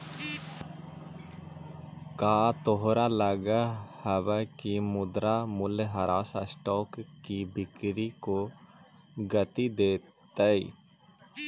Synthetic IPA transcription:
kaːt̪oɦɾalɐɡahɐʋɛkimʊd̪ɾamʊlɦɐɾaːsasʈɔːkː | ibɪkɾiko | ɡɐt̪id̪eː | t̪əḭ

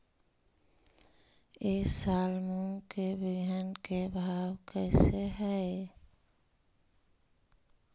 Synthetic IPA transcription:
eːsalmuŋkebɪɡʱjankebʱawkəɪseɦɛe

